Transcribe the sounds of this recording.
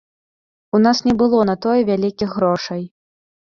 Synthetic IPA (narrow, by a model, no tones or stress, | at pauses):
unasnʲɛbɨlˠɔnɐt̪ɔjɛvʲalʲikʲixɣɾɔʂɐj